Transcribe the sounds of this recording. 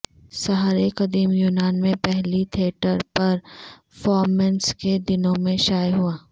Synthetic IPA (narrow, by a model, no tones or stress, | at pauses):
sɐɦaːɾekɐd̪iːmjuːnaːnmẽpɛɦlit̪ʰieːʈəɾpɐɾ | fɔːɾmɛ̃nsked̪ɪnõmẽʃaːjɦuaː